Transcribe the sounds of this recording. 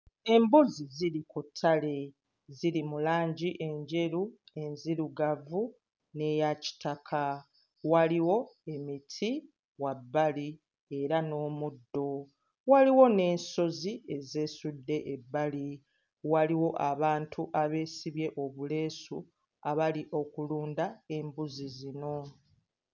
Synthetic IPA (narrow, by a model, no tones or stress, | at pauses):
e̞mbuziziɾikutʰːale̞ | zilimulaːɲɟiʔe̞ɲɟe̞ɾue̞nziɾuɡavu | ne̞jaci̥takʰa | waliwo̞e̞mitʰi | wabːali | e̞ɾano̞ːmudːo̞ | waliwo̞ne̞ːnso̞zie̞ze̞ːsudːe̞ʔebːali | waliwo̞ʔaβaːntʰuʔaβe̞ːsiβje̞ʔo̞βule̞ːsu | aβaliʔo̞kuluːndae̞mbuzizino̞